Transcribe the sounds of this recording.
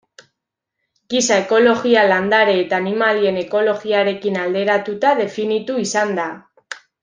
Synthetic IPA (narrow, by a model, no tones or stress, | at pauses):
ɡisae̞ko̞lo̞ɣialand̪aɾeːt̪aːnimalie̞ne̞ko̞lo̞ɣiaɾe̞kinald̪e̞ɾat̪ut̪aðe̞finit̪uisand̪a